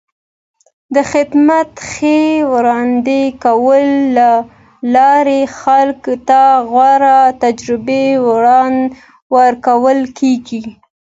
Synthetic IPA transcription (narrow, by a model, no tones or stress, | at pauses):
d̪əxɪd̪mat̪xewɾɑnd̪ekawəlːa | lɑɾexalkt̪aɣwɑɾat̪ad͡ʒɾɪbewɾɑn | wəɾkawəlkʰeɡi